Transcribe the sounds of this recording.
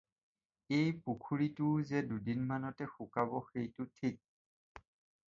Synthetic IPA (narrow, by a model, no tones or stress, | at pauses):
ejpukʰuɹitʊzɛdudinmanɔtɛxukabɔxejtʊtʰik̚